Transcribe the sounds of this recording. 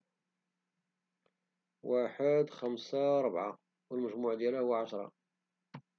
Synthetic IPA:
waħəd̪xæmsaɾˤəbʕa̰ | wəlməʒmuʕd̪jælæhʊwːaʕaʃɾˤɑ̰

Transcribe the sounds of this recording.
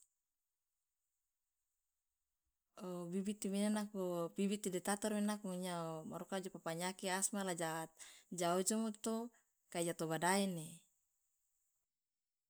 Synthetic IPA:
obibit̪iminanak̚obibit̪ːidɛt̪at̪ɔrminakmuɲamaɾukad͡ʒɔpapaɲakiasmalad͡ʒaːt̪̚d͡ʒaɔd͡ʒɔmut̪o | kaid͡ʒat̪ɔbadaɛne

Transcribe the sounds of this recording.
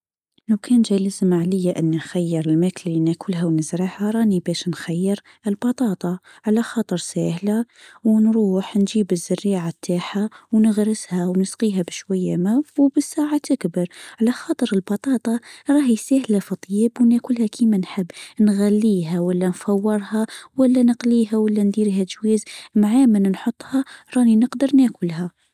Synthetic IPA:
lawkʰænʒæləzmaʕləjːaʔənːinxæjːəɾəlmækllinækʰʊlɦæwnəzɾəħhaɾˤɑnibæʃnxæjːəɾ | əlbɑt̪ˤɑːt̪ˤɑ | ʕalæxɑːt̪ˤəɾsæːhlæ | wnɾuːħnʒiːbəzːʊrːiʕat̪ʰːaːħawnəɣɾəshæwnəsqiːɦæbəʃwæjːamæwwbəsːaʕaʔakbɑɾˤʕlæxɑːt̪ˤəɾəlbɑt̪ˤɑt̪ˤɑɾˤɑhijsæhlæfit̪ˤːjibwnækʊlhækʰimænħəbːnɣælːiɦæwəlːænfɑwːəɾˤhɑwəlːænəqliɦæwəlːænd̪iɾiɦæʒwizmaʕamənnħot̪ˤːhɑɾˤɑninəqd̪əɾnækʊlhæ

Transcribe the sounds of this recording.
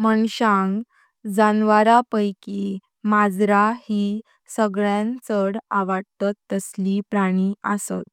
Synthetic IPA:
məɳɕãŋɡ | d͡zanʋaɾapəjki | mad͡zɾahi | səɡɭjãnt͡səɽaʋaɽt̪at̪ːəslipɾaɽ̃iəsə̰t̪

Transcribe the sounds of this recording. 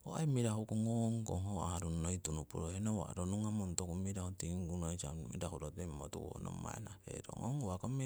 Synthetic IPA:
oaemiɾahukuŋoŋko̰ɦoaɾunnoitunupuɾohenowa̰ɾonuŋamontokumiɾahutiŋɡunoit͡ʃamḭɾahuɾotemotṵwono̰maenaheɾo̰ŋoŋwakome

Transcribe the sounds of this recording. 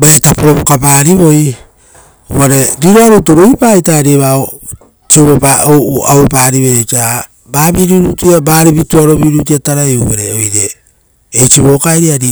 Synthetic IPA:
baetapoɾoβokapaːɾiβo̞j | oβaɾe̞ɾiɾoaɾuto̞ɾoipaːjtaɾiβao | t͡ʃioβepaoa̰wepaːɾiβeoka | baːβiɾiɾutiabaːɾibituaɾo̞βiɾut̬iataɾajuβeɾeojɾeː | jt͡ʃiβo̞ːkajɾiaɾi

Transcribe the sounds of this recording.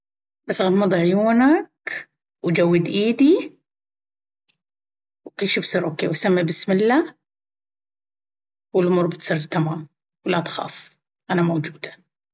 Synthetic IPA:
basːɣad̪mɑd̪ˤɑʕjuːnak | wd͡ʒawːɪd̪ʔiːd̪i | wqiːʃibsˤiːɾʔoːkeːwsamːibɪsmɪlːaː | wɪlʔʊmuːɾbɪt̪sˤɨrˤt̪amaːm | wlat̪xa̰ːf | ʔanamowd͡ʒuːd̪ḁ

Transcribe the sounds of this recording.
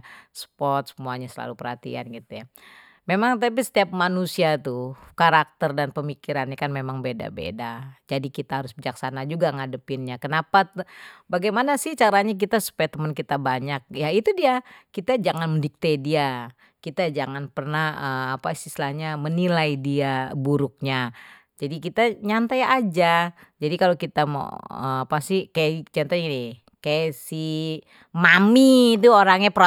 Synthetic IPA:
sə̥pɔt̪̚səmuaɲasəla̰lupərhat̪ḭa̰nɡit̪uja | memaŋt̪apisə̥t̪iap̚manusiat̪ukaɾak̚t̪ərdanpəmikiɾanɲakanmemaŋbeda̰bḛdad͡ʒadikit̪aɦaɾʊsbəd͡ʒaksanad͡ʒuɡaŋadəpɪnɲakənapabaɡajmanasɪht͡ʃaɾaɲak̬it̪asu̥pajt̪əmənkit̪abaɲak̚jait̪udiakit̪ad͡ʒaŋanməndik̚t̪adia | kit̪ad͡ʒaŋanpərnahəapasislahɲamənilaidiabuɾʊk̚ɲa | d͡ʒadikit̪aɲant̪ajad͡ʒad͡ʒadikalokit̪ama̰ə̰apasɪhkajaʔɲant̪ani | kajasi | mamit̪̬uoɾaŋɲapɾ

